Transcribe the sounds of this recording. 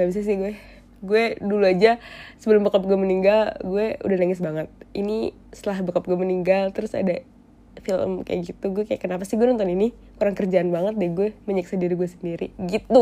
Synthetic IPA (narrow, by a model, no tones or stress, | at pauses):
abis̬as̬ɪhɡuɛ | ɡuɛduluad͡ʒasəbəlʊmbəkap̚ɡuɛməniŋɡalɡuɛṵdahnaŋɪs̬baŋət̪̚ini | st̪əlahbəkap̚ɡuɛməniŋɡalt̪əɾʊsa̰da | filə̰mka̰ja̰ɡit̪uɡuɛkaja̰kənapasɪɡuɛɔnt̪ɔnini | kuɾaŋkərd͡ʒaːnbaŋət̪̚dɛɡuɛməɲəksadiɾiɡuɛsəndiɾiɡit̪u